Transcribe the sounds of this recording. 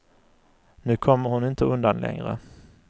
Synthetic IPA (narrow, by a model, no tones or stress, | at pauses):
nʉ̟ːkʰɔmːəɾhʊnɪnt̪əɵnd̪anlɛ̰ŋɾə̰